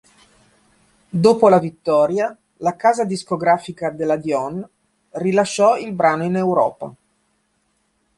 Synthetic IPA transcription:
d̪oːpolavit̪ːɔːɾja | lakaːzad̪iskoɡɾaːfikad̪elːad̪jɔn | rilaʃːɔilbɾaːnoinewɾɔːpa̰

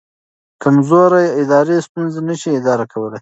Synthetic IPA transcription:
kamzoɾajɪd̪ɑɾest̪unzenəʃiɪd̪ɑɾakawəlaj

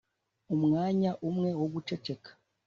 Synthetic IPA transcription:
umŋaːɲaʔumŋe̞woɡut͡ʃe̞t͡ʃe̞kḁ

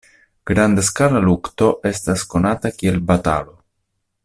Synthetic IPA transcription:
ɡ̥ɾand̪askalalukto̞ʔe̞stasko̞natakie̞lbata̰lo̞

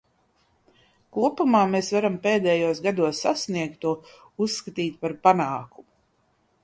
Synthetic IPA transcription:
kuɔpumaːmesvaɾampeːd̪ɛːjuɔsɡad̪uɔsːasniɛkt̪ːuɔ | usːkat̪iːt̪̚paɾpanaːkumu

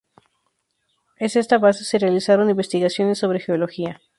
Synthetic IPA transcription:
e̞se̞st̪aβaseserealisaɾo̞nĩmbe̞st̪iɣasjo̞ne̞sːo̞β̞ɾe̞xeolo̞xia

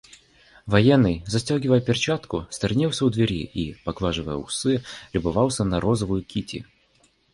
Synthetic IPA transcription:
vɐjɛnːɨjzɐsʲtʲoɡʲɪvəjəpʲɪrt͡ɕat̪kʊst̪ɐrʲnʲiw̪ˠsʲəʊd̪vʲɪɾʲiipɐɡvˠaʐɨvə̰jə̰ʊ̰sɨlʲɪbʊvalˠsʲənɐɾozəvʊjʊkʲitʲɪ̰

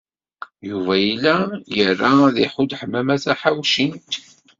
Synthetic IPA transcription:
juvæjilːæjərːaðiħud̪ħəmːæmæθæħawʃint̪

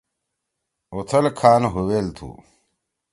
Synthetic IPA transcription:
ot̪ʰɐlkʰaːnɦuweːlt̪ʰṵː

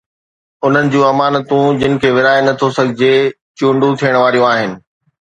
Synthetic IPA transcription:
ʊn̤ənɪ̆d͡ʑuːɐmaːnət̪ũd͡ʑɪnɪ̆kʰeːʋɪɾaːenɐt̪ʰosɐɡʱɪd͡ʑe | t͡ɕũːɳɖũt̪ʰijəɽ̃ʋaːɾijũaːɦɪnɪ̆

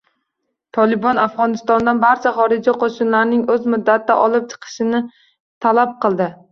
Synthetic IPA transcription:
t̪ʰɒlˠɪbɒnafʁɒnɪst̪ɒnd̪anbaɾt͡ʃʰaχɒɾɪd͡ʒiqʰoʃɪnlaɾnɪŋɵzmʊd̪ːat̪ːaʔɒlˠɪp̚t͡ʃʰɨ̥qʰɨ̥ʃɪnɪ | t̪ʰalap̚qʰɨlˠd̪ɪ

